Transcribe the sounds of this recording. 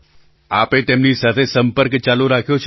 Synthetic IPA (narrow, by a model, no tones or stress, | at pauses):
aːpẽt̪eːmnisət̪ʰesə̃mpəɾkt͡ʃaːloɾaːkʰijot͡ʃʰ